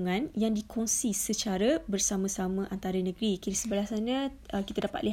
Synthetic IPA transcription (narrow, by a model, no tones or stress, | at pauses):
ŋãnjaŋdikʰɔŋsisət͡ʃaɾabərsamãsamə̃ʔant̪aɾanə̃ɡɾikiɾisəbəlasanə̃ | əkit̪adapa̰li